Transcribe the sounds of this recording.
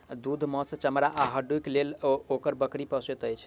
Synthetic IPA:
d̪ud̪ʱmɔsə̃t͡ʃəmɾaʔaɦəɖujklelokəɾbəkɾipəset̪əjt͡ʃʰ

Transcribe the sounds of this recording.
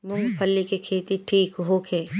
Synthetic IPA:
mʊŋɡpʰɐlːikekʰeːt̪iʈʰiːkɦoːkʰeː

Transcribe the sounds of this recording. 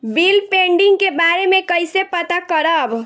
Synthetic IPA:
biːlpẽːɳɖɪ̃ŋɡkebaːɾemẽkəɪsepɐt̪akəɾəb

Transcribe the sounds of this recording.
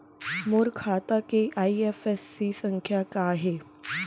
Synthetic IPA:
moːɾkʰat̪akeʔaiefesːisəŋkʰjakaɦe

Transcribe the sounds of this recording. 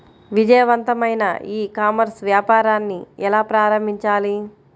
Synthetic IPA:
ʋid͡ʒɐjɐʋɐnt̪ɐmɐjnɐ̰iːkaːmɐɾsʋjaːpaːɾaːnːiɛlaːpɾaːɾɐmbʱiɲt͡ʃaːli

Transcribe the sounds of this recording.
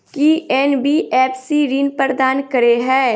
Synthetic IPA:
kiɛːnbiʔɛːpsiɾiːnpəɾd̪aːnkɐɾeɦɛː

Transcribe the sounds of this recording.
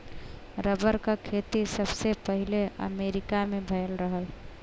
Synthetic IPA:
ɾəbəɾkakʰet̪isəbsepəɦileə̰meɾikamebʱəjlɾəɦəl

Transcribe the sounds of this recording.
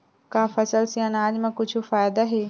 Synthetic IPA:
kaːfɐsəlsiãnaːd͡ʑmãkʊd͡ʒʱufaːjd̪aɦeː

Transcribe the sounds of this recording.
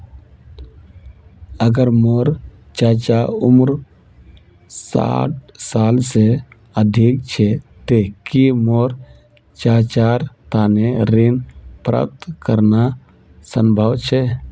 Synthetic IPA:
əɡəɾmoːɾ | t͡ʃaːt͡ʃaʊmɾ | sa̰ːʈ̚ʰsaːlse | əd̪ʱik̚t͡ʃʰet̪ekimoːɾ | t͡ʃaːt͡ʃaːɾt̪aːneɾinpɾa̰p̚t̪kəɾna | səmbʱəwt͡ʃʰe

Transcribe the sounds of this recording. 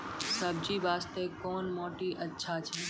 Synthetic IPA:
səb̚d͡ʒiːʋaːst̪ekoːnmoːʈiʔɐtːʃʰat͡ʃʰɛː

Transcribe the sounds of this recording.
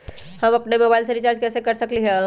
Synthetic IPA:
həmɐpnemoːbaːɪlseɾɪt͡ʃaːɾd͡ʒkɛːsekəɾsəkliɦɛ̃

